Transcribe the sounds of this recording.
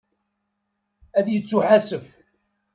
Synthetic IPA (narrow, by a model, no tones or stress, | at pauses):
æðjət͡sːuħasəf